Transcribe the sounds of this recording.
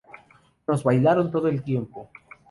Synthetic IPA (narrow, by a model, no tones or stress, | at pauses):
no̞zβajlaɾont̪o̞ðoelt̪je̞mpo